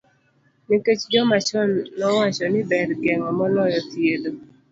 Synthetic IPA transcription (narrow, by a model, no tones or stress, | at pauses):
neket͡ʃd͡ʒɔmat͡ʃɔnːɔwat͡ʃɔnɪbɛdɡɛŋɔmɔlɔjɔt̪jed̪o